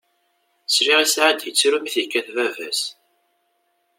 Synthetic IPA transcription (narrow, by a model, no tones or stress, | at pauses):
sɾiʁasʕad̪jət͡sːɾumiθəkːæθvævæ̰s